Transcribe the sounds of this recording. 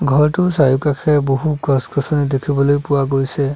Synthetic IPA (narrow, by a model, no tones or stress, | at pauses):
ɡʱɔɹtʊsajukakʰɛboɦukɔskɔsɔnidekʰibɔlojpʊwaɡojsɛ